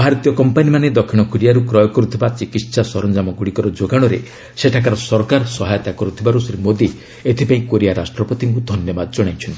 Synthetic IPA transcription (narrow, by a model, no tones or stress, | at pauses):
bʱaɾɔt̪ijɔkɔmpanimaned̪ɔkʰiɽ̃ɔkuɾijaɾukɾɔjɔkɔɾut̪ʰibat͡ʃikiʈsasɔɾɔnd͡ʒamɔɡuɽikɔɾɔd͡ʒoɡaɽ̃ɔɾḛ | seʈʰakaɾɔsɔɾkaɾsɔɦajɔt̪akɔɾut̪ʰibaɾusɾimod̪i | et̪ʰipaĩkoɾiaɾasʈɾɔpɔt̪iŋkud̪ʱɔnjɔbad̪ɔd͡ʒɔɽ̃ajt͡ʃʰɔnt̪i